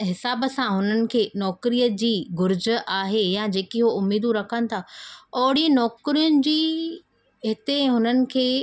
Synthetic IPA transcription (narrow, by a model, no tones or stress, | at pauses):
ɦɪsaːbəsãɦʊnənɪ̆kʰeːnɔːkɾijəd͡ʑiːɡʊɾd͡ʑʔaːɦejad͡ʑeːkiɦoʊmiːd̪ũɾɐkʰənɪ̆t̪ʰaɔːɽinɔːkɾijʊnɪ̆d͡ʑiː | ɦɪt̪eɦʊnənɪ̆kʰeː